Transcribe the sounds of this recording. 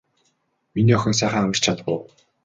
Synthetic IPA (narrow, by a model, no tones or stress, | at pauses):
miniːɔxʲɞ̆ns̬æːχaːamə̆rt͡ɕʰat̪pʊ̰ː